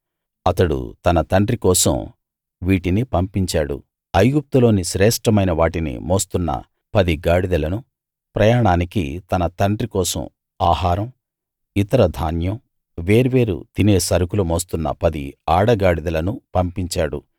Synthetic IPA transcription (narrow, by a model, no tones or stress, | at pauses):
ɐt̪ɐɽṵt̪ɐnɐt̪ɐɳɖɾikɔːsɐ̰m | ʋiːʈinipɐmpiɲt͡ʃaːɽṵ | ɐjɡup̚t̪ulo̞ːniʃɾɛːʂʈɾɐmɐjnɐʋaːʈinḭmoːst̪unːɐ̰ | pɐd̪iɡaːɽid̪ɐlɐnu | pɾɐjaːɳaːnikḭt̪ɐnɐt̪ɐɳɖɾikɔːsɐ̰m | aːɦaːɾɐm | it̪ɐɾɐd̪ʱaːnjɐm | ʋe̞ːɾuʋe̞ːɾṵd̪ineːsɐɾukulɐmoːst̪unːɐ̰pɐd̪ḭaːɽɐɡaːɽid̪ɐlɐnupɐmpiɲt͡ʃaːɽṵ